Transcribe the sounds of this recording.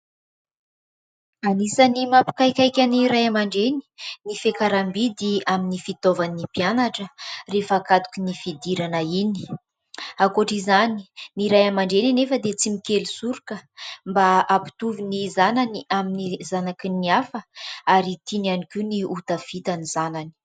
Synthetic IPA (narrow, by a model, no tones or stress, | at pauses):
anisanimapi̥kajkʲajkʲaniɾajamaɳɖ͡ʐeni̥nifekaɾambid̪iaminifit̪ovanːipianaʈ͡ʂərefːkat̪u̥kinifid̪iɾanəini̥ | akoʈ͡ʂizani̥niɾajamaɳɖ͡ʐeninefəd̪et͡simikelusuɾukəmbaapi̥t̪uvinizananiaminizanakinːiafəaɾit̪inanikuniut̪afit̪anizanani̥